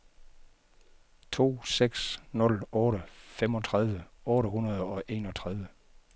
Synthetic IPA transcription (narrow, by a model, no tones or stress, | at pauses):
t͡sʰo̝̰ːseɡ̥snɔ̽lɔ̽ːɾəfemɒ̽t͡sʰʁaðˠʋəɔ̽ːɾəɦunɐð̞ˠɒ̽ʔe̝ːnɒ̽t͡sʰʁað̞ˠʋə